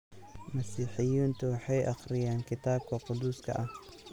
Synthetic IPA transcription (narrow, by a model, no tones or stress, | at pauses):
mɐsiːħɪjiːnt̪ʰʊwɑħɑjʔɑχɾɪjaːnkʰɪt̪ʰaːb̚kʰɐqʊd̪uːskʰɐ̰ʔɐh